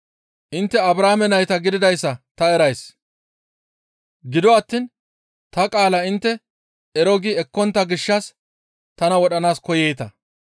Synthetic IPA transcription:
ʔɪnt̪ːɛɐbɾaːmɛnɐjt̪ɐɡɪd̪ɪd̪ɐjsːɐt̪ɐɛɾɐjs | ɡɪd̪ɔɐt̪ːiːn | t̪ɐkʼaːlɐɪnt̪ːɛ | ɛɾɔɡiɛkːɔnt̪ːɐɡɪʃːɐs | t̪ɐnɐwɔɗɐnaːskɔjɛjt̪ɐ

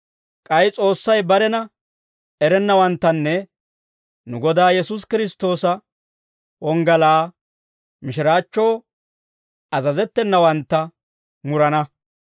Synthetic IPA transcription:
kʼɐjt͡sʼo̞ːsːɐjbɐɾɛnɐ | ɛɾɛnːɐwɐnt̪ːɐnːɛ | nʊɡɔd̪aːjɛsus̬kɪɾɪs̬t̪o̞ːsɐ | wɔŋɡɐlaː | mɪʃ̬ɪɾaːt͡ʃːo̞ː | ɐzɐzɛt̪ːɛnːɐwɐnt̪ːɐ | mʊɾɐnɐ

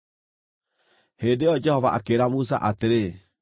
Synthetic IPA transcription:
heːndejɔd͡ʒɛhɔvaʔakeɾamus̬a̰ʔateɾe

